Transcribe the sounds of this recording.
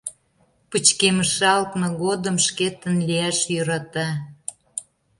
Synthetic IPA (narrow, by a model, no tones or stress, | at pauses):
pət͡ɕkeməʃɑlk̪nŏɣod̪əmʃket̪ənliæʃjøɾɑt̪ɑ